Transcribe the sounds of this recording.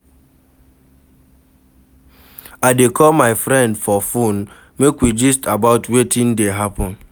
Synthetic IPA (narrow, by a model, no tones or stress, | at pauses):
aɪdekʰɔlmaɪfɾɛ̃ndfɔfun | mekwid͡ʒistʰabaʊtwetʰĩn̩deɦapɔ̃n